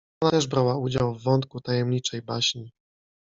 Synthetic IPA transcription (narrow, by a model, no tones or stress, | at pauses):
ɔnat̪ɛʐbɾawaud͡ʑawvːɔnt̪̚kut̪ajɛmɲit͡ʂɛjbaɕɲi